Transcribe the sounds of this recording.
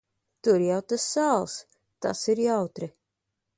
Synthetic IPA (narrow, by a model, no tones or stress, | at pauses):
t̪uɾjawt̪asːalˠs | t̪a̰siɾjawt̪ɾi